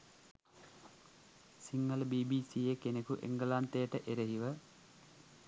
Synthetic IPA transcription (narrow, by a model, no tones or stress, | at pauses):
siŋːɐlbiːbiːsiekenekuʔḛŋɡəlaːnt̪ejəʈəʔeɾeɦiʋə